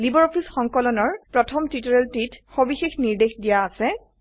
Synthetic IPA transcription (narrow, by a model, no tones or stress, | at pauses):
libɔɹɔpʰisxɔŋkɔlɔnɔɹpɹɔtʰɔmtitɔɹɛltitxobixexniɹdexdijaːsɛ